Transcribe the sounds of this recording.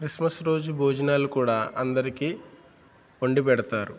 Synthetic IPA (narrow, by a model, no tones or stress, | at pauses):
kɾismɐsɾo̞ːd͡ʒubʱoːd͡ʒɐnaːlukuːɽaːʔɐnd̪ɐɾikiː | oɳɖipɛɽɐt̪aːɾu